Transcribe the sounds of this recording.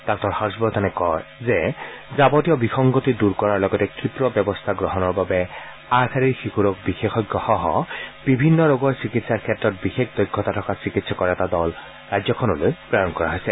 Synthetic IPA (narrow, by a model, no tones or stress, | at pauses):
d̥ɔk̚tɔɹxaɹɔsbɔt̪ʰɔnɛkɔjzezabɔtijɔbixɔŋɡotiduɹkɔɹaɹlɔɡɔtɛkɹipɹɔbɛbɔst̪ʰaɡɹɔɦɔnɔɹbabɛ | aɹkʰaɹiɹxikuɹɔk̚bixexɔɡːɔxɔɦɔb̥ibʱinːɔɹoɡɔɹsikitsaɹkʰɛtɹɔt̚bixekd̪ɔjɡʱːɔtatʰɔkasikitsakɔɹɛtadɔl | ɹajzzɔkʰɔnɔlojpɹajɔnkɔɹa̰ɦojsɛ